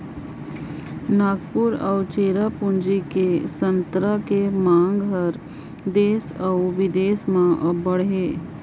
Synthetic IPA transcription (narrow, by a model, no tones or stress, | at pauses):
naːɡpʊɾə̰ʊt͡ʃeːɾapʊnd͡ʒikesə̃nt̪ɾakemãːŋɡɦəɾ | d̪eːsəʊʋɪd̪eːsmãbəɽeː